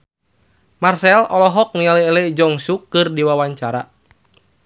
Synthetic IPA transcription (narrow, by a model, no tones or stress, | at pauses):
marsɛlɔlɔɦɔk̚nialiːlɛd͡ʒɔŋsukːɨrdiwawaɲt͡ʃaɾa